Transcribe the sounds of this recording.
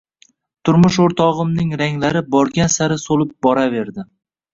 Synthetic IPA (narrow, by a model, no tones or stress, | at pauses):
t̪ʰʊɾmʊʃoɾt̪ʰɒʁɨmnɪŋɾaŋlaɾɪbɒɾɡʲansaɾɪsolɪp̚bɒɾave̞ɾd̪ɪ